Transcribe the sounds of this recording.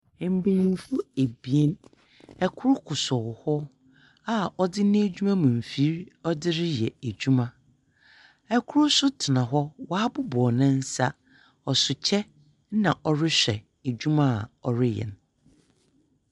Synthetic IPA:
m̩˦˨be˨nĩ˨n˦fu˦e˨bi˨e˦n | ɛ˦kʰʊ˦ɾʊ˦kʰʊ˨sɔ˨hɔ˦ | a˦ɔ˦dɪ˦nɪ̃˦e˦d͡ʑᶣu˦mã˦mũ˨m̩˨fi˦ɾɔ˦dɪ˦ɾɪ˦jɛ̰˨æ˨d͡ʑᶣu˦mã˦ | ɛ˦kʰʊ˦ɾʊ˦sʊ˦tʰɪ˨nã˨ɦɔ˦wa˦bʊ˦bɔ˨nɪ̃˦n̩˦sa˦ | ɔ˨sʊ˨t͡ɕʰɛ˦ | nã˨ʔɔ˨ɾɪ˦ɕᶣɛ˨ | e˨d͡ʑu˦mã˦˨ɔ˨ɾɪ˦jɛ̰̃˨n

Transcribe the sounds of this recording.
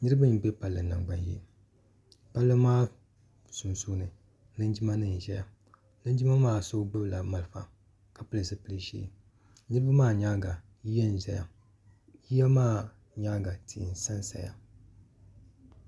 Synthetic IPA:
nɨ˦ɾɨ˦bɨ˦m˨bɛ˦pa˨lːɨ˨na˨ŋ͡mɡ͡ba˨njḭ˦˨ | pa˦lːɨ˦maː˦ | su˨nsu˦nɨ˨ | nɨ˦n˦d͡ʒi˦ma˦nɨ˨n˨ʒɛ˦ja˦ | nɨ˦n˦d͡ʒi˦ma˦maː˦˨so˦ɡ͡bɨ˦bla˨ma˨lɨ˨fa̰˨ | ka˨pɨ˨lɨ˨sɨ˦pɨ˦lɨ˦ʃḭː˦ | nɨ˦ɾɨ˦bɨ˦maː˦˨ɲaː˦ɡa˨ | ji˦jɛ˦n˨ʒɛ˨ja̰˨ | ji˦ja˦maː˦˨ | ɲa˦ɡa˨tʰḭ˨n˨sa˦nsa̰˨ja̰˨

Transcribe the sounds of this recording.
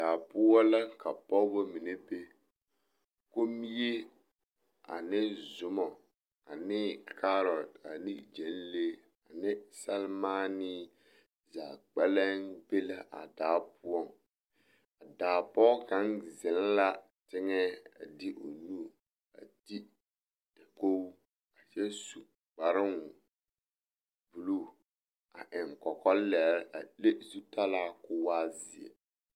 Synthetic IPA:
daː˨pʊ˦ɔ˦la˦ka˨pɔ˦bo˦mi˨ne˦be˦ | ko˦mi˦je˦ | a̰˨nɪ˦zʊ˨mɔ˨ | a˨nɪ˦ka˦ɾɔ˨da˨ni˦d͡ʒɛ˨˦n˦le˦ | a˨nɪ˦sa˦lma˦ni˦ | zaː˨k͡pɛ˦lɛ˦nbe˦la˦ʔa̰˨daː˨˦pʊ˦ɔ˦˨ | a˨daː˨pɔ˦ka˨˦ŋzɪ˨lla˦ | tɪ˦ŋɛ˦a̰˨dɪ˦ʔo˨nuː˦˨ | a̰˨di˦ | dɛ˨ko˦ | ka˨t͡ʃɛ˦su˨ | k͡pa˨ɾɪ˦ŋʊ˨ | bu˨lu˦ | a˨ʔɪ˨ŋkɔ˨kɔ˦lɛ˨ɾa˨le˦zu˦ta˦laː˦kʊ˦waː˦zɪ̰˨ɛ̰˨

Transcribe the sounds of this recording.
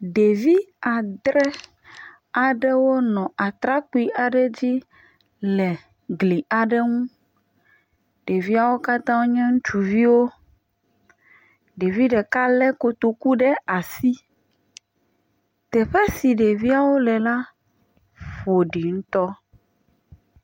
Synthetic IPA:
ɖe˨vi˦a˨d̪ɾɛ˦ | a˨ɖɛ˦wo˦nɔ̃˨ʔa˨t̪ɾa˦ku˦i˦ʔa˨ɖɛ˦d͡ʑi˦ | lɛ˨ | ɡli˨a˨ɖɛ˦ŋũ˦ | ɖe˨vi˦a˦wo˦ka˦t̪ã˦wo˦ɲɛ̃˦ŋũ˦t͡ʃu˨vi˦wo˦ | ɖe˨vi˦ɖɛ˨ka˦lɛ˦ko˦t̪o˨ku˦ɖɛ˦a˨si˦ | t̪ɛ˨ɸɛ˦si˨ɖe˨vi˦a˦wo˦lɛ˨la˦ | ɸo˨ɖi˨ŋũ˦t̪ɔ˦

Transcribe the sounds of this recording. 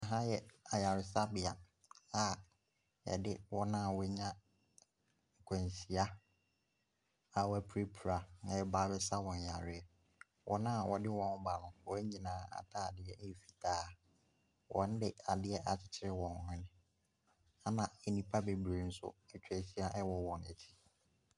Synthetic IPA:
ɦã˦jɛ˨a˨ja˨ɾɪ˨sa˦bɪ˨a˨ | a˦˨ | ɛ̰˨dɪ˦wɔ˦nã˦˨wɛ˦ɲã˦ | ŋ̩˨kʷʰɛ̃˨n˨si˨a˦ | a˨wæ˨pʰɾe˦pʰu˨ɾa˨nã˨jɛ˦baː˨˦bɛ˦sa˦wɔ̃˨ɲ˨ja˨ɾɪ˨ɛ˨ | wʔɔ̰˦nã˦˨wɔ˨dɪ˦wɔ̃˨nʊ˦ba˨lʊ̃˨wɔ˦ɛ˦ɲĩ˨nãː˦a̰˨tʰaː˦˨a˨dɪ˨ɛ˦ʔɛ˦˨fi̥˨tʰaː˦ | wʔɔ̰̃˨n̩˦dɪ˨a˨dɪ˦ɛ˦ʔa˨t͡ɕʰɪ̥˨t͡ɕʰɪ˦ɾɪ˦wɔ̃˨n˨hɛ̃˦nɪ̃˦ | a˦nã˨ɛ˨nĩ˨pʰa˦be˨bɾe˨n̩˦sʊ̰˦ɛ˨t͡ɕʰᶣæ˨si˦a˦ʔɛ˦wɔ˦wɔ̃˨nɛ̰˨tʰi̥˦

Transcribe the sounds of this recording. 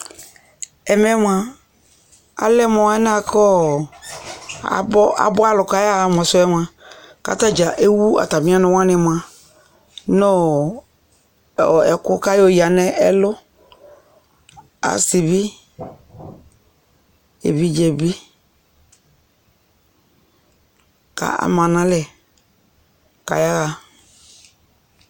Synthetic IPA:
ɛ˨mɛ˦m˨a˨ | a̰˨lɛ˦mɔ̃˨a˦n˦a˦˨kʰɔ˦˨ | bɔ˦a̰˨bɔ˦a˦lʊ˨ka˦ja˦˨m˨ɔ˨sʊ˦ɛ˦m˨ã˨ka̰˦˨ta˦d͡ʒa˨ʔe˦wu˦a̰˨ta˨mĩ˦a˦nʊ̃˨wã˦nɪ̃˨m˨a˨ | no˦ | ɔ˨ɛ˨kʊ˦ka˦jo˦˨ja˨nɛ˦ɛ˦lʊ˦ | a̰˨sɪ˨bi˦ | ḛ˨bi˦d͡ʒɛ˨bi˦ | ka̰˨a̰˨mã˨nã˦lɛ˨ | ka̰˨ja˦ɣa˨

